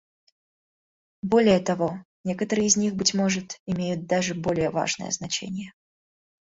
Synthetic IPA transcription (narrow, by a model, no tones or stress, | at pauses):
bo̞lʲɪjət̪ɐvo̞ | nʲe̞kət̪əɾɨjɪzʲnʲixbɨtʲmo̞ʐɨt̪ɪmʲejʊt̪̚d̪aʐɨbo̞lʲɪjəva̰ʐnə̰jə̰znɐt͡ɕḛnʲɪjə